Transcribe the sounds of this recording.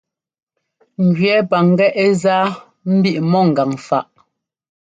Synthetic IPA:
ŋ̩˨ɡɥɛ˨˦pa˨ŋ˦ɡɛ˦ʔɛ˦zaː˦ | m̩˦bi˦ʔmɔ˦˨ŋ̩˨a˨ŋfa˦˨ʔ

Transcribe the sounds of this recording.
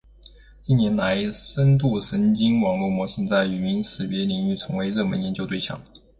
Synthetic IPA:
t͡ɕi˥nnjɛ˧˥nla˧˥ɪʂə˥nt̪u˥˩ʂə˧˥nt͡ɕi˥ŋwɑ˨˩ŋlu˥˩mwɔ˧˥ʂə˥˧nt͡sa˥˩ɪy˨˩mi˧˥nʂɻ̩˨˥˩pjɛ˧˥li˧˥ŋy˥˩t͡sʰɤ˧˥ŋwe˧˥ɪɻɤ˥˩mə̰˧˥njɛ˧˥nt͡ɕjo˥˧t̪wɪt͡ɕʰjɑ̰˨˩˦

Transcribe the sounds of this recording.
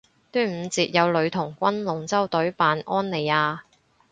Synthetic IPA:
t̪yː˥nm̩ː˨˧t͡siː˧t̚jɐ˨˧wlɵ˨˧ɥt̪ʰʊ˨˩ŋkʷɐ˥nlʊ˨ŋt͡sɐ˥wt̪ɵ˨˥ɥpaː˨˧nʔɔː˥nle˨˩jaː˧

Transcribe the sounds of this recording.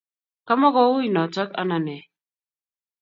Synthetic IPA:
ka˦ma˦kɔ˦u˦i˨nɔ˨t͡ʃa˦ka̰˦na˨nɛ˨

